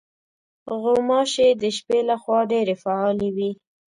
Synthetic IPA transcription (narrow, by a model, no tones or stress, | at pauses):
ɣomɑʃed̪əʃpelaxwɑɖeɾefaɑlewi